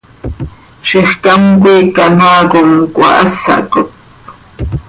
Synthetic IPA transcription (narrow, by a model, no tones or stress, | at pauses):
ʃeχkaŋkʷiːkanakoŋkʷa̰ʔasa̰kot̪̚